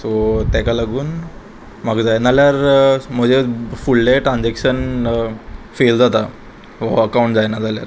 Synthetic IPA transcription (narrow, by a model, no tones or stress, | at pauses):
sot̪jakalaɡuːn | maɡd͡zajnaljaɾm̤əd͡ʑefulːeʈɾãnd͡zɛkɕən | feld͡zat̪a | ʋaəkauɳʈd͡zajnad͡zaljaɾ